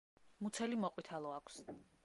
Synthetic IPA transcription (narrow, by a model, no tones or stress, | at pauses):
mut̪sʰɛlimɔqʼwit̪ʰalˠɔakʷʰs